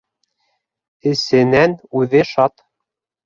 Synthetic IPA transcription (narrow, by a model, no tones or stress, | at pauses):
ɘ̆sɘ̆nænʉðɘʃɑt̪